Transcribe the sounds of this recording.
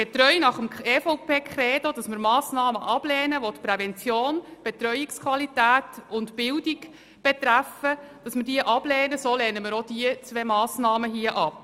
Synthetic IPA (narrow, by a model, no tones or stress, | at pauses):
b̥et̪rœjnɑχəmefowpeːkχɾɛːdod̥ɑsmɪɾmɑːsnɑːməʔɑb̥lɛːnəʋotpɾɛvɛnt͡sjoːnb̥et̪rœjɪkskχʋɑlitæːtʊntbɪldiɡ | b̥et̪ɾæfə | d̥ɑsmɪɾdiəʔɑb̥lɛːnəsoːlɛːnəmɪɾod̥iət͡sʋɛmɑːsnɑːməɦiəʔɑp